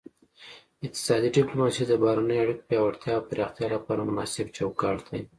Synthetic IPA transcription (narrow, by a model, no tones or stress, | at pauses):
ɪq̚t̪ɪ̥sɑd̪iɖɪplomɑsid̪əbɑhɾanəjoaɽikpjɑwaɽt̪jɑːwpɪɾɑxt̪jɑlapɑɾamʊnɑsɪbt͡ʃawkɑʈd̪aj